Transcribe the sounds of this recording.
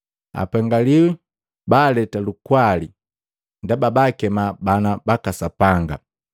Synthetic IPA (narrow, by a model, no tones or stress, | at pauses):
a̰paŋɡaliwi | baːlɛtalukwali | ndababakɛmabanabakasapaŋɡa̰